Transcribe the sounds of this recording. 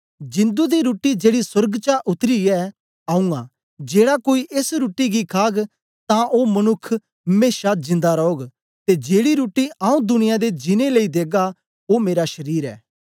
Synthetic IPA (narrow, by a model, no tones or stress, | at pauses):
d͡ʒɪ̃nd̪ud̪iɾoːʈid͡ʒeːɽisɐɾɡt͡ʃaʔʊt̪ɾiɛː | aːũɡa | d͡ʒeːɽakoːiʔɪsɾuːʈːiɡikʰaːɡ | t̪ãʔoːmɐnʊkʰː | meːʃad͡ʒɪ̃nd̪aɾɔːɡ | t̪ed͡ʒeːɽiɾuːʈːiaːũd̪ʊnɪjad̪ed͡ʒɪneləid̪eːɡa | omeːɾaʃɐɾiːɾɛ̰ː